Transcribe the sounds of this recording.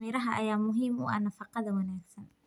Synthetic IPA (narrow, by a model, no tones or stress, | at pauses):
iːɾɐɦɐʔɐjaːmʊɦiːmṵːʔa̰nɐfɑqɑðɐwɐnaːɡsɐn